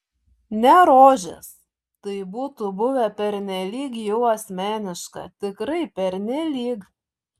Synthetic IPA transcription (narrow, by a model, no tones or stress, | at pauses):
nʲɛɾoːʒʲɛ̰s | t̪ɐɪbuːt̪ʊbʊʋʲɛpʲɛɾʲnʲɛlʲiːkjɛʊɐsʲmʲæːnʲɪʃkɐ̰t̪ʲɪkɾɐɪpʲɛɾʲnʲɛlʲiːk